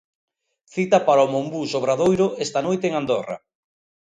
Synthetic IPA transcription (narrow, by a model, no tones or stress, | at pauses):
θit̪apaɾaomombusoβɾaðojɾʊest̪anojt̪eeŋand̪ora̰